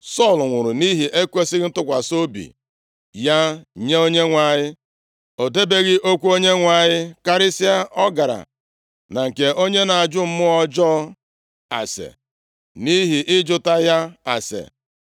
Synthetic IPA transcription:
sɔ˦˨lŋʷʊ˨ɾʊ˨ni˦ɦi˨ʔe˦kʷe˦sɪ˦ɣɪ˦n̩˦tʊ˦kʷa˨so˦bḭ˨ | ja˦ɲe˦o˦ɲe˦ŋʷa˨ɲɪ˦ | o˨de˦be˦ɣɪ˦ʔo˦kʷu˦o˦ɲe˦ŋʷa˨ɲɪ˦ka˦ɾɪ˦si˦a˦ʔɔ˦ɡa˨ɾa̰˨ | na˨ŋ̩˨ke˨ʔo˦ɲe˦na˨a˨d͡ʒʊ˦m̩˦mʊ˦ɔ˦d͡ʒɔ˦ | a̰˨sḛ˨ | ni˦ɦi˨ʔɪ˦d͡ʒʊ˦ta˦ja˦a˨sḛ˨

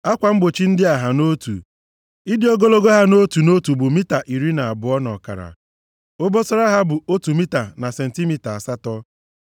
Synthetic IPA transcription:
a˦kʷa˨m̩˦ɡ͡bo˨t͡ʃi˦n̩˦dɪ˦a˨ɦa˨no˦tṵ˨ | i˦dɪ˦o˦ɡo˦lo˦ɡo˦ɦa˦no˦tu˨no˦tu˨bʊ˨mi˦ta˨ʔi˨ɾi˦na˨bʊ˨˦ɔ˦nɔ̰˨ka̰˨ɾa̰˨ | o˦bo˦sɔ˦ɾa˦ɦa˦bʊ˨o˦tu˨mi˦ta˨na˨se˨n̩˨ti˦mi˦ta˨a˨sa˦tɔ˦

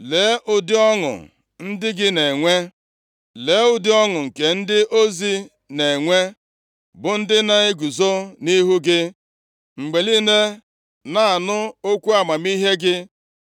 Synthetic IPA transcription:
le˨˦ʔʊ˨dɪ˦ɔ˦ŋʊ̰˨ | n̩˦dɪ˦ɡɪ˦ne˨ŋʷe˦ | le˨˦ʊ˨dɪ˦ɔ˦ŋʊ˨ŋ̩˨ke˨n̩˦dɪ˦ʔo˦zi˦ | ne˨ŋʷe˦ | bʊ˨n̩˦dɪ˦na˦e˦ɡu˨zo˦ni˦ɦu˦ɡɪ˦ | ŋ͡m̩˨ɡ͡be˨li˦ne˦ | na˨a˨nʊ˦o˦kʷu˦a˨ma˨mi˦ɦe˦ɡɪ˦

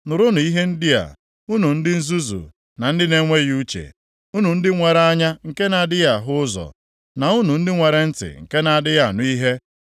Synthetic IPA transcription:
nʊ˨ɾʊ˦nʊ˨i˦ɦe˦n̩˦dɪ˦a̰˨ | u˦nu˨n̩˦dɪ˦n̩˦zu˦zṵ˨ | na˨n̩˦dɪ˦ne˦ŋʷe˦ɣu˦t͡ʃḛ˨ | u˦nu˨n̩˦dɪ˦ŋʷe˨ɾa˦ɲa˦ŋ̩˨ke˦na˨a˨dɪ˦ja˨ɦʊ˦ʊ˦zɔ̰˨ | na˨u˦nu˨n̩˦dɪ˦ŋʷe˨ɾe˨n̩˦tɪ̰˨ŋ̩˨ke˦na˨a˨dɪ˦ja˦˨nʊ˦i˦ɦe˦

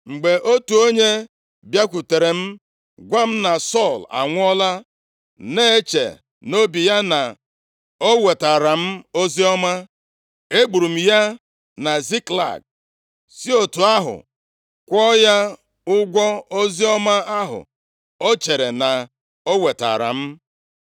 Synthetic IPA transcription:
ŋ͡m̩˨ɡ͡be˨ʔo˦tu˨o˦ɲe˦ | bja˦kʷu˨te˨ɾe˨m̩˦ | ɡʷa˦m̩˦na˨sɔ˦˨la̰˨ŋʷʊ˦ɔ˦la˦ | ne˦e˦t͡ʃḛ˨ | no˦bi˨ja˦na˨ | o˦we˨ta˨ɾa˨m̩˦o˦zi˦ɔ˦ma˦ | e˦ɡ͡bu˨ɾu˨m̩˨ja˦ | na˨zi˦kla̰˨k̚ | si˦o˨tu˨a˦ɦʊ̰˨ | kʷɔ˦ja˦ | ʊ˦ɡʷɔ˦o˦zi˦ɔ˦ma˦a˦ɦʊ̰˨ | o˦t͡ʃe˨ɾe˨na˨ | o˦we˨ta̰˨ɾa̰˨m̩˦

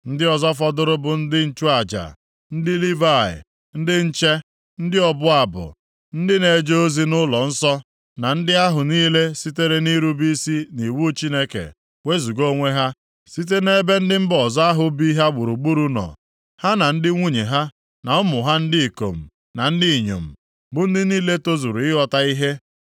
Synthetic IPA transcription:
n̩˦dɪ˦ɔ˦zɔ˦fɔ˦dʊ˦ɾʊ˦bʊ˨n̩˦dɪ˦n̩˦t͡ʃu˦a˨d͡ʒa̰˨ | n̩˦dɪ˦li˦va˦˨ɪ̰˨ | n̩˦dɪ˦n̩˦t͡ʃe˦ | n̩˦dɪ˦ɔ˦bʊ˦a˨bʊ̰˨ | n̩˦dɪ˦ne˨d͡ʒo˦zi˦nʊ˦lɔ˨n̩˦sɔ˦ | na˨n̩˦dɪ˦a˦ɦʊ˨niː˦le˦si˦te˦ɾe˦ni˦ɾu˦bi˦si˦ni˨wu˦t͡ʃi˦ne˦kḛ˨ | we˦zu˨ɡo˦ŋʷe˦ɦa˦ | si˦t̬e˦ne˦be˦n̩˦dɪ˦m̩˦bɔ˨za˦ɦʊ˨˦bi˦ɦa˦ɡ͡bʊ˨ɾu˨ɡ͡bu˦ɾu˦nɔ̰˨ | ha˦na˨n̩˦dɪ˦ŋʷu˦ɲe˨ɦa˦ | na˨ʊ˦mʊ˨ɦa˦n̩˦dɪ˦i˨ko̰˨m̩˨ | na˨n̩˦dɪ˦i˨ɲo̰˨m̩˨ | bʊ˨n̩˦dɪ˦niː˦le˦to˦zu˨ɾu˨ɪ˦ɦɔ˦ta˦i˦ɦe˦

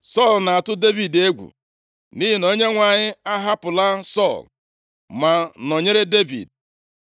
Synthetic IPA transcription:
sɔ˦˨lna˨a˨tʊ˦de˦vi˨de˦ɡʷṵ˨ | ni˦ɦi˨no˦ɲe˦ŋʷa˨ɲɪ˦a˦ɦa˦pʊ˨la˦sɔ˦˨l | ma˨no˨ɲe˦ɾe˦de˦vḭ˨d̚

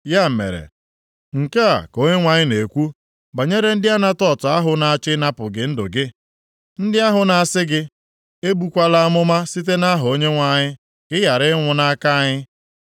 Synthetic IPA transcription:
ja˦m̩˨mḛ˨ɾḛ˨ | ŋ̩˨ke˦a̰˨ko˦ɲe˦ŋʷa˨ɲɪ˦ne˨kʷu˦ | ba˨ɲe˦ɾe˦n̩˦dɪ˦a˦na˦tɔ˦˨tʊ˨a˦ɦʊ˨na˦a˦t͡ʃɪ˦na˦pʊ˨ɡɪ˨n̩˦dʊ̰˨ɡɪ˦ | n̩˦dɪ˦a˦ɦʊ˨na˨a˨sɪ˦ɡɪ˦ | e˦bu˨kʷa˦la˦a˦mʊ˦ma˦si˦t̬e˦na˦ɦʊ˨o˦ɲe˦ŋʷa˨ɲɪ˦ | kɪ˦ja˨ɾɪ˦ŋʷʊ˨na˦ka˦ɲɪ˦

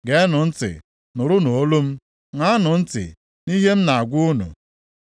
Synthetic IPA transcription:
ɡe˨e˦nʊ˨n̩˦tɪ̰˨ | nʊ˨ɾʊ˦no˨o˦lo˦m̩˦ | ŋa˦a˦nʊ˨n̩˦tɪ̰˨ | ni˦ɦe˦m̩˦na˨a˨ɡʷʊ˦ʊ˦nṵ˨

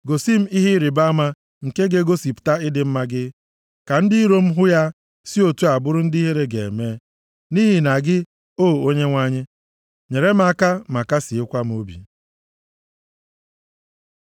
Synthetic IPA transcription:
ɡo˨si˦m̩˦i˦ɦi˦ɾi˨ba˦ma˦ | ŋ̩˨ke˦ɡe˦ɡo˦si˨pta˦ɪ˦dɪ˨m̩˦ma˦ɡɪ˦ | ka˨n̩˦dɪ˦i˦ɾo˦m̩˦ɦʊ˦ja˦ | si˦o˨tu˦a˨bʊ˦ɾʊ˦n̩˦dɪ˦i˦ɦe˦ɾe˦ɡe˨ḛ˨me˦ | ni˦ɦi˨na˨ɡɪ˦ | o˦˨o˦ɲe˦ŋʷa˦ɲɪ˦ | ɲe˨ɾe˦m̩˦a˦ka˦ma˨ka˦sɪ˨ɪ˦kʷa˦m̩˦o˦bḭ˨

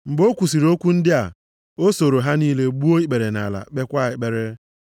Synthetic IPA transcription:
ŋ͡m̩˨ɡ͡bo˦kʷu˨si˨ɾo˦kʷu˦n̩˦dɪ˦a˨ | o˦so˨ɾo˨ɦa˦niː˦le˦ɡ͡bu˦o˦i˦k͡pe˨ɾe˨na̰˨la̰˨k͡pe˦kʷa˦˨ɪ˨k͡pe˨ɾe˦

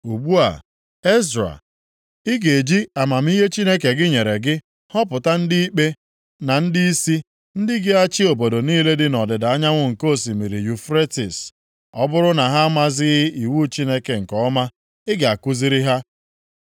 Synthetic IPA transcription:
u˨ɡ͡bu˦a̰˨ | e˦zɾa̰˨ | ɪ˦ɡe˨d͡ʒi˦a˨ma˨m̩˦i˦ɦe˦t͡ʃi˦ne˦ke˨ɡɪ˦ɲe˨ɾe˨ɡɪ˦ | hɔ˦pʊ˨ta˦n̩˦dɪ˦i˦k͡pe˦ | na˨n̩˦dɪ˦i˦si˦ | n̩˦dɪ˦ɡɪ˦a˦t͡ʃɪ˦o˨bo˨do˨niː˦le˦dɪ˦nɔ˨dɪ˨da˨a˦ɲa˦ŋʷʊ˦ŋ̩˨ko˦˨s̬i˨mi˨ɾi˨ju˨fɾe˦tḭ˨s | ɔ˦bʊ˦ɾʊ˦na˨ɦa˦ma˦zɪ˦ɣɪ˦ʔi˨wu˦t͡ʃi˦ne˦ke˨ŋ̩˨kɔ˦ma˦ | ɪ˦ɡa˨ku˦zi˦ɾi˦ɦa˦

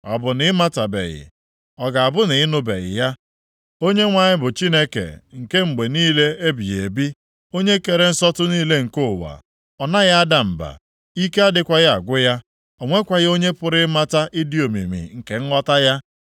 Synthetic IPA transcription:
ɔ̰˨bʊ˨nɪ˦ma˦ta˨bḛ˨ɣɪ̰˨ | ɔ˨ɡa˨a˨bʊ˦nɪ˨ɪ˦nʊ˦bḛ˨ɣɪ̰˨ja˦ | o˦ɲe˦ŋʷa˨ɲɪ˦bʊ˨t͡ʃi˦ne˦kḛ˨ŋ̩˨ke˦ŋ͡m̩˨ɡ͡be˨niː˦le˦e˦bi˨je˨bi˦ | o˦ɲe˦ke˨ɾe˦n̩˦sɔ˦tʊ˦niː˦le˦ŋ̩˨kʊ˦˨wa̰˨ | ɔ˨na˦ja˦a˦da˦m̩˨ba̰˨ | i˦ke˦a˦dɪ˦kʷa˦ɣa˨ɡʷʊ˦ja˦ | ɔ˨ŋʷe˦kʷa˨ɣo˦ɲe˦pʊ˦ɾɪ˦ma˦ta˦ʔi˦di˦o˨mḭ˨mḭ˨ŋ̩˨ke˨ŋ̩˦ŋɔ˦ta˦ja˦

